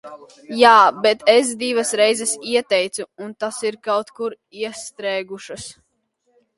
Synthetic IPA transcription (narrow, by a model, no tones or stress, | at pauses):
jaːbɛt̪ɛs̬d̪ivɐsɾɛjzɛsiɛt̪ɛjt̪suunt̪asiɾkawt̪kuɾ | iɛst̪ɾɛːɡuʃɐs